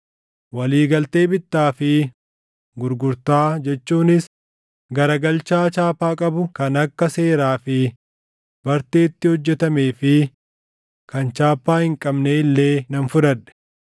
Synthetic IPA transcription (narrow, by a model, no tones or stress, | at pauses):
wɐliːɡɐlt̪e̞ːbɪt̪ːaːfɪ | ɡʊɾɡʊɾt̪aːd͡ʒɛt͡ʃːuːnɪs | ɡɐɾɐɡɐlt͡ʃaːt͡ʃaːpːaːkʼɐbʊkɐnɐkːɐse̞ːɾaːfɪ | bɐɾt̪e̞ːt̪ːɪhɔd͡ʒːɛt̪ɐme̞ːfɪ | kɐnt͡ʃaːpːaːhɪŋkʼɐbneːɪlːe̞ːnɐnfʊɾɐᶑɛ̥